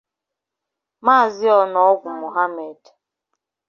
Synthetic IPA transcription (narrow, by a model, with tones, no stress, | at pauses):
maː˦˨zɪ˦ɔ˨nɔ˨ɔ˦ɡʷʊ˨mo˨ɦa˦me˨d